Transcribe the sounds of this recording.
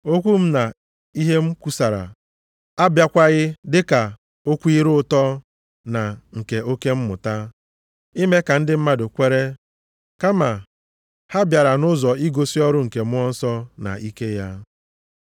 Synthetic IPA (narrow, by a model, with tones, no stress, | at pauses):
o˦kʷu˦m̩˦na˨ | i˦ɦe˦m̩˦kʷu˦sa˨ɾa̰˨ | a˦bja˦kʷa˦ɣɪ˦dɪ˦ka˨ | o˦kʷu˦i˦ɾʊ˦ʊ˦tɔ˦ | na˨ŋ̩˨ke˨o˦ke˦m̩˦mʊ˨ta˦ | i˦me˦ka˨n̩˦dɪ˦m̩˦ma˦dʊ˨kʷe˦ɾe˦ | ka˦ma˨ | ha˦bja˨ɾa˨nʊ˦zɔ˨i˦ɡo˨si˦ɔ˦ɾʊ˦ŋ̩˨ke˨mʊ˦ɔ˦n̩˦sɔ˦na̰˨ʔi˦ke˦ja˦